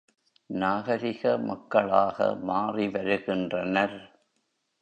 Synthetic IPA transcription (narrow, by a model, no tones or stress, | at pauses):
naːɣɐɾɪɣɐmɐkːɐɭaːɣɐ̰maːriʋɐɾɯɣɪndrɐnɐɾ